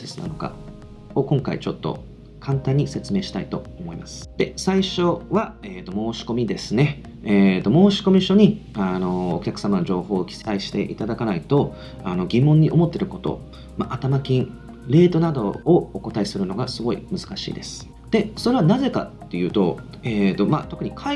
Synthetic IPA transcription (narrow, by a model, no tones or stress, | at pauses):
sesɨna̰no̞ka̰ | o̞kõ̞ŋkaḭt͡ɕo̞t̪ːo̞̰ | kʰãnt̪ãɲ̟ːise̞t͡sɨme̞ːɕi̥t̪a̰it̪o̞omo̞imasɨ̥d̪̥e̞saiɕo̞βaeːt̪o̞mo̞ːɕi̥ko̞mʲid̪e̞sɨne̞ː | t̪o̞mo̞ːɕi̥ko̞mʲiɕo̞ɲ̟iano̞ːkʲakɯ̟̥samano̞ʑo̞ːho̞ːkʲi̥saiɕi̥t̪e̞̰ʔit̪ad̪akanait̪o̞ | ano̞ɡʲimːõ̞ɲ̟ːiʔo̞mo̞t̪ːe̞ɾɯ̟ko̞t̪o̞̰ | maʔat̪amakʲĩɴ | ɾe̞ːt̪o̞nad̪o̞ːoko̞t̪aisɨɾɯ̟no̞ɡasɨɡo̞ḭmɯ̟zɨ̥kaɕḭːd̪e̞sɨ̥ | d̪̥e̞so̞ɾe̞βanaze̞ka̰t̪ːe̞jɯ̟ːt̪o̞̰ | et̪o̞mat̪o̞kɯ̟ɲ̟ikʰa